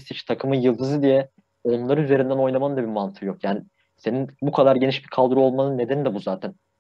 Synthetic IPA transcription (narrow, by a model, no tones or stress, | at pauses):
sit͡ʃt̪ʰakʰɯmɯnjɯlˠd̪ɯzɯd̪ijɛ | o̞nlˠaɾɯyze̞ɾind̪æno̞jnˠamand̪abiɾmant̪ʰɯjo̞kjaːni | se̞ninbukʰad̪aɾɟeniʃbikʰalˠd̪ɯɾuo̞lˠmanɯnːe̞d̪ænid̪ɛbuzaːt̪ʰæn